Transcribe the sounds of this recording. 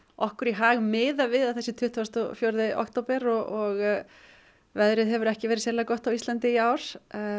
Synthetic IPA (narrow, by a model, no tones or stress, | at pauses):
ʔɔ̰hkʏɾiɦaːɣmɪːðavɪðaðθɛsːɪt̪ʰʏht̪vast̪ɔfjɔɾðɪʔɔ̰kt̪oːpɛɾɔɔɣ | vɛðɾɪðɦɛvʏɾɛhcɪvɛːɾɪðsɛlakɔht̪awist̪lant̪ɪiaːwɾ̥